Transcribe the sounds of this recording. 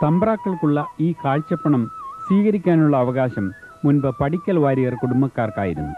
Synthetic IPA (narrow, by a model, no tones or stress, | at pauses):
t̪ɐmbɐraːkːɐɭkuɭːɐiːkaːɻt͡ɕːɐpːɐɳɐmswiːɣɐɾikʲːaːnuɭːɐːʋɐɣaːɕɐmː | unbɐpɐɽikʲːɐlʋaːɾijɐrkuɽumːɐkːaːrkaːjḭɾunːu